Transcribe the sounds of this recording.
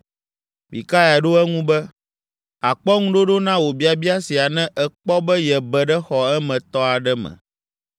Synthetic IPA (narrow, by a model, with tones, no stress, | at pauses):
bḭ˨ka˦ja˨ɖo˦ɛ˦ŋũ˦bɛ˦ | a˨k͡pɔ˦ŋũ˦ɖo˦ɖo˦nã˦wo˨bi˦a˨bi˦a˦si˨a˨nɛ̃˦ʔɛ˨k͡pɔ˦bɛ˦jɛ˨bɛ˨ɖɛ˦xɔ˨ɛ˦mɛ̃˨t̪ɔ˦a˨ɖɛ˦mɛ̰̃˨